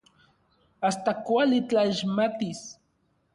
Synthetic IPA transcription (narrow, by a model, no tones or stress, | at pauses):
ast̪akwalɪt͡ɬaʃmat̪ɪs